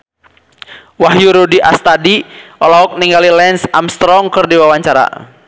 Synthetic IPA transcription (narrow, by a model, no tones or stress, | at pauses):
waɦjuɾudiʔast̪adiʔɔlaɦɔk̚niŋɡalilɛnsamst̪ɾɔŋkɨrdiwawaɲt͡ʃaɾa̰